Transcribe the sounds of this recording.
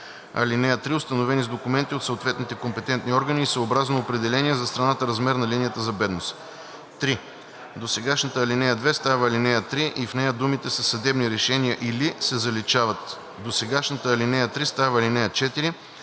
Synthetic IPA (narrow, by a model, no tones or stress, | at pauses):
ɐ̰linɛjət̪ɾiʊst̪ɐnovɛnizd̪okʊmɛnt̪iot̪soot̪vɛt̪nit̪ɛkompɛt̪ɛnt̪niɔɾɡəniːsəobɾaznoːpɾɛd̪ɛlɛniɛzɐst̪ɾɐnat̪əɾɐzmɛɾnɐlinijət̪əzɐbɛd̪nos | t̪ɾi | d̪osɛɡaʃnət̪əːlinɛjəd̪vɛst̪avəːlinɛjət̪ɾiʔifnɛjəd̪umit̪ɛsəsɐd̪ɛbniɾɛʃɛniəʔilisɛzɐlit͡ʃavɐt̪ | d̪osɛɡaʃnət̪əːlinɛjət̪ɾist̪avəːlinɛjət͡ʃɛt̪iɾi